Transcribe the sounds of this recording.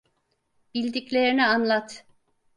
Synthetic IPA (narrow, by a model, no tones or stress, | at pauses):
bilʲd̪iclʲe̞ɾinianlˠat̪